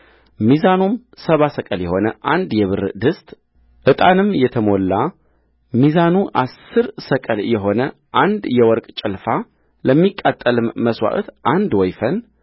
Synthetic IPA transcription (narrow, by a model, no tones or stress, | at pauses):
mizanum | səβasəkʼəljɛho̞nəʔand̪jɛβɨɾd̪ɨst̪ʼ | ʔɨt̪ʼanɨmjɛt̪ʰəmo̞lːa | mizanuʔasːɨɾsəkʼəljɛɦo̞nə | ʔand̪jɛwɔɾkʼt͡ʃʼɪlfa | ləmːikʼːat̪ʼːəlɨmːəswa̰ʔt̪ʔand̪wɔjfən